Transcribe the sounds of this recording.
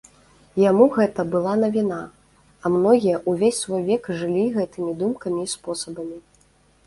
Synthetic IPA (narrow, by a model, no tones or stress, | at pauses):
jamuɣɛt̪ɐbɨlˠan̪ɐvʲina | ɐmnɔɣʲijɐʔuvʲesʲsvɔjvʲɛkʐɨlʲiɣɛt̪ɨmʲid̪umkɐmʲiːspɔsɐbɐmʲi